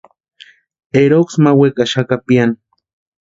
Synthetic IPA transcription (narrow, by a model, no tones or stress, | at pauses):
eɾoksmawekaʃakapian